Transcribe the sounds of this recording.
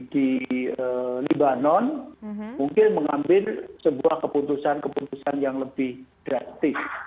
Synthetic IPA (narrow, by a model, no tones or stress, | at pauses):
diəlibanɔnmuŋkɪnməŋambɪlsəbuahkəput̪usankəput̪usanjaŋləbɪhɡ̥ɾat̪ɪs